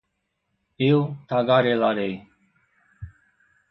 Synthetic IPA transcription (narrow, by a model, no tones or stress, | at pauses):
eut̪ʰaːɡaːɾelaɾej